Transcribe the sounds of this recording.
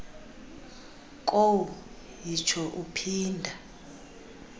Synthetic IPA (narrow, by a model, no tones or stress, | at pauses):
kʼowu | jit͡ʃʰɔʔupʰiːndʱa